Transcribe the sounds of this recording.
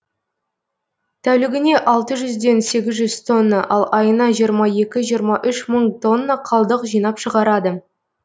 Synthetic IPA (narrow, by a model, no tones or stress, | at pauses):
t̪ʰæwlɪɡʲɪne̞ʔɑlˠt̪əʒʏzd̪e̞nse̞ɡʲɪzʒʏz̥t̪ʰo̞nːəʔɑlˠɑjənɑʒijəɾmɑje̞kʲɪʒijəɾmɑʔʏʃməɴt̪ʰo̞nːəqʰɑlˠd̪əqʒijn̪ɑpʃəʁɑɾɑd̪ə